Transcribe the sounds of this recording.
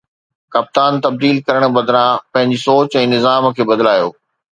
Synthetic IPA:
kɐp̚t̪aːnt̪ɐb̚d̪iːlkɐɾəɽ̃bɐd̪ɾãpɐ̃ɦɪ̃ɲd͡ʑisoːt͡ɕɛ̃ːnɪzaːmkʰeːbɐd̪laːjo̰ː

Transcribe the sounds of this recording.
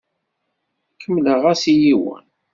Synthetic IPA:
kʰːəmːləʁæsijiwə̰n

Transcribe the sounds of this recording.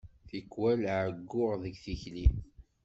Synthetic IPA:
θikːwælʕəɡːʊʁðəɡθiçlim

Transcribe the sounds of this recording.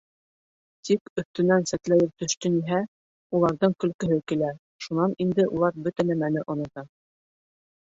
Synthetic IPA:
t̪ikɵ̆θt̪ɵ̆nænsæt̪læjɘɾ̚t̪ɵ̆ʃt̪ɵniɦæ | ulˠɑɾðɤŋkɵ̆lkɵ̆ɦɵkilæ | ʃunɑnind̪ɘʔulˠɑɾbɵt̪ænæmænɘʔŏnŏt̪ɑ

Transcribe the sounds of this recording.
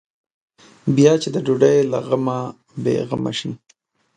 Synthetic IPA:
bjɑt͡ʃed̪əɖoɖajlaɣama | bḛɣama̰ʃi

